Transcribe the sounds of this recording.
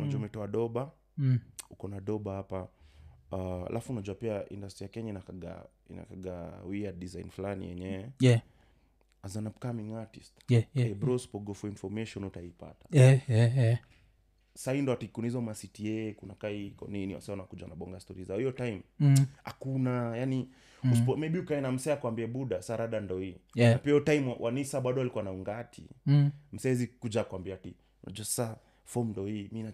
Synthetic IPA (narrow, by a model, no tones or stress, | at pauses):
unad͡ʒuamɛtɔaɗɔɓa | ukɔnaɗɔɓahapa | a̰lʔafunad͡ʒuapiaʔḭndastijakɛɲainakaɡa̰ | ḭna̰kaɡawiadizajnfulanḭjɛ̰ɲɛwɛɛ | azanapkamiŋatistkaibɾɔspɔɡɔfɔinfɔmɛʃɔnutaipa̰tḁɛɛɛ | saindɔatikunizɔmasitiɛkunakaikɔ̰niniwa̰sɛanaakud͡ʒanaɓɔŋɡastɔɾizaɔhiɔtajmha̰kunajani | uspɔmɛɓiukaɛnam̩sɛakuambiɛɓuɗasaɾaɗandɔhinapiɔtajmwʔanisaɓaɗɔalikuanauŋɡatʰḭm̩sɛɛzikud͡ʒakwambiati | na̰d͡ʒuasḁsa | fɔmndɔimina